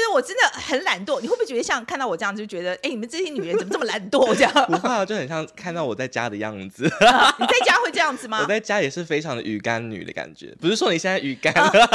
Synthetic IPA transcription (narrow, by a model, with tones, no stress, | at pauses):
ə˩wɔ˨˩ʈ͡ʂə˥nd̪ə˨xə˨˥nla˧˥nt̪wɔ˥˩ni˨xwe˥˩u˩t͡ɕɥɛ˧˥ə˧ɕjɑ˥˧ŋkʰnt̪ɑ˥˩ʊɔ˨˩˥j̩̪˥˧˩t͡ɕo˥˩t͡ɕɥɛ˧˥d̪ə˧ʔe˥˩ɪni˨˩mə˦˥ʈ͡ʂɕjɛ˥ny˨˩ɻn˦t͡sə˨˩m˦ʈ͡ʂɤ˥˩mə˨la˧˥nt̪wɔ˥˩ɔ˨˩t͡ɕjɑ˥˩ŋpu˧˥a˥˩˧t͡ɕo˥˩ʊxə˨˩nɕjɑ˥˧ŋkʰa˥˧nt̪ɑ˥˩ʊwɔ˨˩t͡sa˥˩ɪt͡ɕja̰˥d̪ə˨jɑ̰˥˩ŋd͡zɹ̩˨˩n˨˩t͡sa˥˩ɪt͡ɕja˥xwe˥˧ɪʈ͡ʂɤ˥˧jɑ˥˩ŋd͡zɹ̩˩mɐ˧ɔ˨˩t͡sa˥˩ɪt͡ɕja˥jɛ˨˩ʂɻ̩˥˩fe˥ɪʈ͡ʂʰɑ˧˥ŋd̪ə̰˧y̰˨˩ka˦˥nny̰˨˩ə̰˦ka̰˨˩nt͡ɕɥɛ̰˧˦pu˧˥ʂɻ̩˥˩ʂwɔ˥ni˨˩ɕjɛ˥˧na˥˩y˨˩ka˦˥n